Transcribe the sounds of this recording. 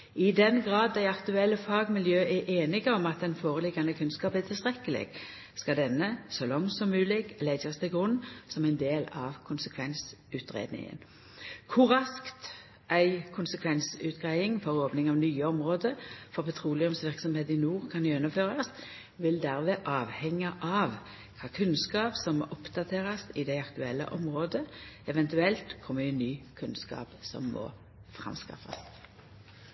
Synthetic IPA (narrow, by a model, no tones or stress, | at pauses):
ɪd̪ɛnɡʁɑːd̪̚ːæɪɑkt̪ʉɛlːəfɑːɡmɪljøːʔæʔeːnɪɡəɔmɑt̪̚d̪ɛnfoːʁəlɪɡɑnəkʰʉnskɑːpəæt̪ʰɪlst̪ʁɛkːəlɪ̰ɡ̥ | skɑd̪ɛnːəsɔlɔŋsɔmmʉːlɪɡlɛɡɑst̪ʰɪlɡʁʉnːsɔmæɪnd̪eːlɑ̰ʋkʰʊnsəkʰʋɛnsʉːt̪ʁḛːd̪nɪ̰ŋə̰n | kʰʊʁʁɑskt̪ | ʔæɪkʰʊnsəkʰʋɛnsʉ̰ːt̪ɡ̥ʁæɪɪŋfɔʁoːpnɪŋɑʋnyːəɔmʁoːd̪əfɔʁpʰɛt̪ʰʁuːlɪʊmsʋɪʁksɔmheːt̪ɪnuːʁkʰɑnjɛnːəføːʁɑs | ʋɪld̪æʁʋeːʔɑːʋhɛŋːəʔɑʋ | kʰɑːkʰʉnskɑːpsɔmːɔ̰ːʔɔpd̪̥ɑt̪ʰeːʁɑsɪd̪æɪɑkt̪ʉɛlːə̰ʔɔmʁoːd̪əɛʋɛnt̪ʉɛlt̪kʰɔmːəɪnːyːkʰʉnskɑ̰ːpsɔ̰mːɔ̰ː | fʁɑ̰mskɑ̰fɑ̰s